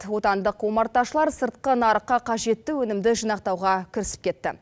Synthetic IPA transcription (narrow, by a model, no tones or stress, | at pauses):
wo̞t̪ɑnd̪əqwo̞mɑɾt̪ɑʃəlˠɑɾsəɾt̪̚qənɑɾəqːɑqʰɑʒe̞t̪ːɪwɵnɪmd̪ɪʒənɑq̚t̪ɑwʁɑkʲʰɪɾɪsɪ̥p̚kʲʰe̞t̪ːɪ̰